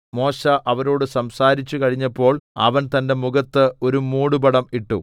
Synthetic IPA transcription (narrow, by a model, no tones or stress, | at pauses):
mo̞ːɕɐʔɐʋɐɾo̞ːɽɨsɐmsaːɾit͡ɕːukɐɻiɲːɐpːo̞ːɭɐ̰ʋɐnt̪ɐnde̞muɡɐt̪ːɨo̞ɾumuːɽubɐɽɐmiʈːṵ